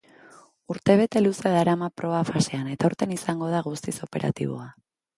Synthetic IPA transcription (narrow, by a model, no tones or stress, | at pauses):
uɾt̪e̞β̞e̞t̪e̞luseðaɾamapɾo̞βafase̞ane̞t̪auɾt̪e̞nisaŋɡo̞ð̞aɣ̞ust̪iso̞pe̞ɾʔa̰t̪ḭβ̞o̞̰a